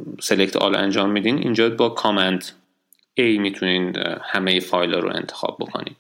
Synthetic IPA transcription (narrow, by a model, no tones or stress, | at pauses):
se̞lekct̪ʰɒ̰ːlæ̰nd͡ʒɒːmːiːd̪iːnḭnd͡ʒɒːbɒkʰɒːmænt̪ʰ | ejmiːt̪ʰuniːnhæmejefɒːjlɒːɾo̰e̞̰nt̪ʰexɒ̰ːb̚bo̞kʰo̞̰nḭːd̪̥